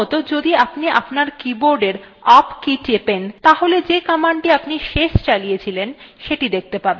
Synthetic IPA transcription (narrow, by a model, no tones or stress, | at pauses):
ɔt̪od͡ʑod̪iapniʔapnaɾkiboɾɖeɾ | apkit͡ɕepent̪aɦoled͡ʑekamaɳʈiapniʃeʃt͡ɕalijet͡ɕʰilenʃeʈid̪ek̚t̪epaɾbe